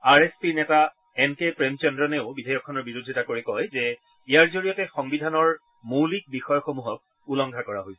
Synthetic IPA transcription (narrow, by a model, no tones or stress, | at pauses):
aɹespinɛta | ɛnkepɹɛmt͡ʃɛndɹɔneʊbidʱajɔkʰːɔnɔɹbiɹudʱitakoɹikɔjzɛ | ijaɹzoɹijɔtɛxɔŋbidʱanɔɹ | mulik̚bixɔjɔxomuɦɔk̚ | ulɔŋɡʱakɔɹa̰ɦojsɛ